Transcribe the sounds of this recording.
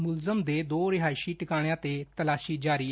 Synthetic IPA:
mʊlzəmd̪eːd̪oːɾɪɦaːɪsiːʈɪkaːɽ̃jãːt̪eːt̪əlaːʃiːd͡ʒaːɾiː

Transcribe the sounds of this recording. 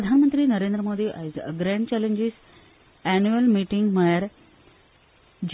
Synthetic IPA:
pəd̪ʱanmənt̪ɾiːnəɾeːnd̪ɾəmoːd̪iʔɡɾæ̃ɳɖt͡ɕɛlẽɲd͡ʑis | ænuəlmiʈiŋɡmajəɾ | d͡ʑ

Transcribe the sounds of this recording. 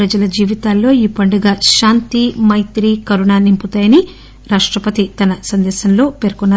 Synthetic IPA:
ɾɐd͡ʒɐlɐd͡ʒiːʋit̪aːlːo̞ːiːpɐɳɖɐɡaːʃaːnt̪imɐjt̪ɾiːkɐɾuɳaːnimput̪aːjɐni | ɾaːʂʈɾɐpɐt̪it̪ɐnɐsɐnd̪ɛːsɐnlo̞ːpe̞ːɾkunːaː

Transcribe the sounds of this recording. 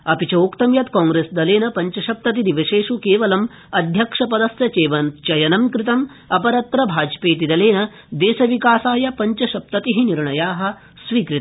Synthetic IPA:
ɐpit͡ʃɐoːkt̪ɐmjɐt̪kaːŋɡɾeːsd̪ɐleːnɐpɐɲt͡ʃɐʃɐp̚t̪ɐt̪id̪iʋɐʃeːʂukeːʋɐlɐm | ɐd̪ʱjɐkʂɐpɐd̪ɐsjɐt͡ʃeːʋɐnt͡ʃɐjɐnɐmkɾit̪ɐm | ɐpɐɾɐt̪ɾɐbʱaːd͡ʒpeːt̪̬id̪ɐleːnɐ | d̪eːsɐʋikaːsaːjɐpɐɲt͡ʃɐʃɐp̚t̪ɐt̪iɦiniɾɳɐjaːɦɐ̆ | sʋiːkɾit̪ɐ

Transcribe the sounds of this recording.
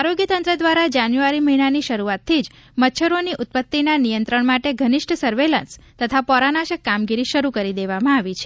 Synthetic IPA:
aɾoɡjət̪ə̃nt̪ɾəd̪ʋaɾad͡ʒanjuaɾiməɦinaniʃəɾuat̪ʰːid͡ʒ | mət̪ːʃʰəɾoniʔʊt̪̚pət̪ːinanijənt̪ɾəɳmaʈeɡʱənɪʃʈʰəsəɾʋelə̰̃nst̪ət̪ʰapɔɾanaʃəkːamɡiɾiʃəɾukəɾid̪eʋamãaʋit͡ʃʰe̥

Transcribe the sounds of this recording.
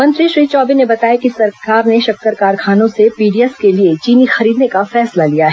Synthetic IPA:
mɐ̃nt̪ɾiʃɾiːt͡ʃɔːbinebɐt̪aːjakisɐɾkaːɾneʃɐk̚kəɾkaːɾkʰaːnõsepiːɖijɛskeliet͡ʃiːnixɐɾiːd̪nekafɛːslalijaɦɛ

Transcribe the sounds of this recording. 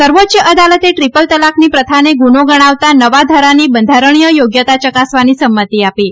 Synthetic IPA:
səɾʋot̪ːt͡ʃəʔəd̪alət̪eʈɾipəlt̪əlakʰniːpɾət̪ʰaneɡunoɡəɽ̃aʋt̪anəʋad̪ʱəɾaniːbənd̪ʱaɾəɳijəjoɡjət̪at͡ʃəkasʋanisəmːət̪iapi

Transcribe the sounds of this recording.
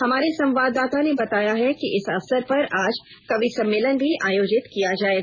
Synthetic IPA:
hɐmaːɾesɐ̃mʋaːd̪ːaːt̪anebɐt̪aːjaɦɛkiʔɪsɐfsəɾpɐɾaːd͡ʒ | kɐbisɐ̃mːɪːlənbʱiʔaːjoːd͡ʒɪt̪kijad͡ʒaːeːɡ

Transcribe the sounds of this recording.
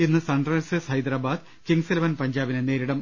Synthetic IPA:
enːɨsɐɳɖrɐlsɨshɐjd̪ɾaːbaːd̪ | kiŋɡselɐʋɐnpɐɲd͡ʑaːbinene̞ːɾiɽɐm

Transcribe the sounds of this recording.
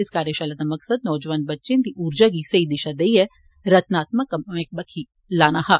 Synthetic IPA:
ɪskaːɾəʃaːlad̪amɐksəd̪̚nɔːd͡ʒʋaːnbətːʃẽd̪iʔuːɾd͡ʒaːɡisəid̪ɪʃad̪eiɦɛ | ɾət̪ʰnaːt̪̚məkːəmek̚bəkʰi | laːnaɦaː

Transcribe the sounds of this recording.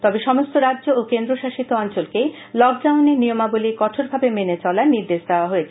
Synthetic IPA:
t̪ɔbeʃɔmost̪oɾadʑookend̪ɾoʃaʃit̪oɔnt͡ɕolke | lɔk̚ɖawneɾniomabolikɔʈʰoɾbʱabemenet͡ɕɔlaeniɾd̪eʃd̪eoaɦoet͡ɕʰe̥

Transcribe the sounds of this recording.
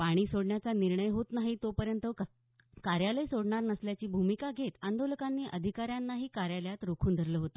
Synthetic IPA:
paɽ̃iːsoɽɳjat͡saniɾɳəjɦot̪naɦit̪opəɾjənt̪ə | kaɾjaləjsoɽɳaɾnəsljat͡ɕiːbʱumikaɡʱet̪and̪oləkanːiːʔəd̪ʱikaɾjanːaɦiːkaɾjaljat̪ɾokʰuːnd̪ʱəɾləɦot̪o

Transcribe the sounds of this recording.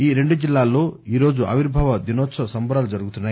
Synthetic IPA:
iːɾeɳɖud͡ʒilːaːlːoːiːɾoːd͡ʒuʔɐ̰ʋiɾbʱaʋɐd̪inoːt̪ːsʰɐsɐmbʱɐɾaːlud͡ʒɐɾuɡut̪unːɐ

